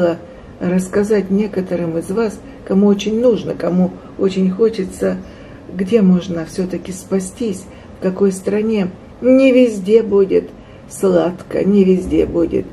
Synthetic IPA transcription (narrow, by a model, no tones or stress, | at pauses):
lˠə | rəskɐzatʲnʲe̞kət̪əɾɨmɨzvas | kɐmuot͡ɕɪnʲnuʐnəkɐmu | ot͡ɕɪnʲxo̞t͡ɕɪt̪sə | ɡdʲe̞mo̞ʐnəfsʲɵt̪əkʲɪspɐsʲtʲisʲ | fkɐko̞jst̪ɾɐnʲe̞ | nʲɪvʲɪzʲdʲe̞budʲɪt̪ | slˠat̪kə̰nʲɪvʲɪzʲdʲe̞̰budʲɪ̰t̪